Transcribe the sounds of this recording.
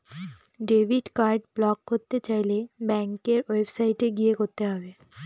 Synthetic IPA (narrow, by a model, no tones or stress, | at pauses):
ɖebʱiɖkaɾɖblɔkːoɾt̪ːet͡ɕajlebɛŋkeɾwebsajʈeɡijekoɾt̪eɦɔbe